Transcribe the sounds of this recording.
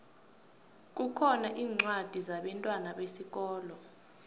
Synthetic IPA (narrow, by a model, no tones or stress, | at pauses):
k̬ʼukʰɔnaʔiːŋ͡ǀwad̥ʱizaɓɛntʼwanaɓesik̬ɔːlɔ